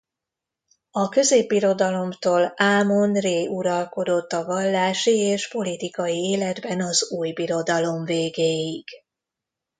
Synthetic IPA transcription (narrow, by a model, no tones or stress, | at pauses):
ɒkø̞zeːbːiɾo̞d̪ɒlo̞mt̪oːlaːmo̞nreːuɾɒlko̞d̪o̞t̪ːɒvɒlːaːʃieːʃpo̞lit̪ikɒjieːlɛd̪bɛnɒzuːjbiɾo̞d̪ɒlo̞ɱveːɡeːjiɡ̥